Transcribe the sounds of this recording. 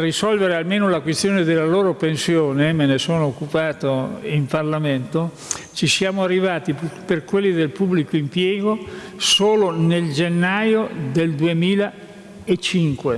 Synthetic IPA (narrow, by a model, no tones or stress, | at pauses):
risɔlveɾealmeːnolakwest̪joːned̪elːaloːɾopensjoːnemenesoːnoːkːupaːt̪oimparlament̪o | t͡ʃisjaːmoarːivaːt̪iperkwelːid̪elpubːlikoimpjɛːɡosoːloneld͡ʒenːajod̪eld̪uemiːla | et͡ʃːiŋkwe